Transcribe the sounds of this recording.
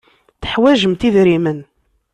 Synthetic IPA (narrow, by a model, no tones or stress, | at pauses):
θə̥ħwæʒəmt̪iðɾimən